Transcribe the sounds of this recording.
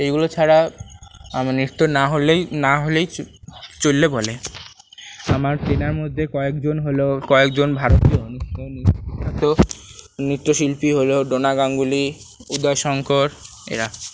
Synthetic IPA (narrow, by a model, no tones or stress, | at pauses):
ejɡulot͡ɕʰaɾa | mnit̪ːonaɦolenaɦolejt͡ɕolːebole | amaɾtɾenaɾmod̪ʱːekɔekd͡ʑonɦolokɔekd͡ʑonbʱaɾot̪ioonuʃʰoniat̪o | nit̪ːoʃilpiɦoloɖonaɡaŋɡuli | ud̪ɔjʃɔŋkoɾ | ḛɾa